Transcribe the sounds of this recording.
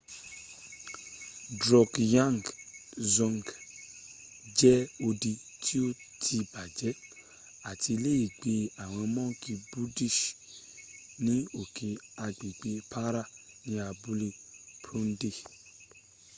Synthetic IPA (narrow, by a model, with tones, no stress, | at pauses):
dɾɔ˨kjã˦˨ŋ˨ɡzɔ̃˧ŋɡ | d͡ʒɛ˦o˧di˧ | tʰi˦o˦˨ | tʰi˧ba˨d͡ʒɛ˨˦ | a˨ti˧le˦ji˦˨ɡ͡be˧a˨w̃ɔ̃˧mɔ̃˦˨˦ki˧bu˦di˦˨ʃ | nĩ˦o˨ke˨a˧ɡ͡be˨ɡ͡be˧pʰa˦ɾa˦˨ | nĩ˨˦a˧bu˦le˦pɾũ˦n̩˦de˦˨